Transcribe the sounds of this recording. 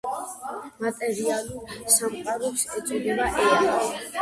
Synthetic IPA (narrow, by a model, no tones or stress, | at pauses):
mat̪ʼɛɾialulsamqʼaɾɔsɛt̪sʼɔd̪ɛbaʔɛɾal